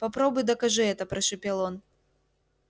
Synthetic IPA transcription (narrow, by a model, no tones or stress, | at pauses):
pɐpɾɔbʊjd̪ɐkaʐɨɛt̪ɐpɾɐʂɨpʲɛlˠɔn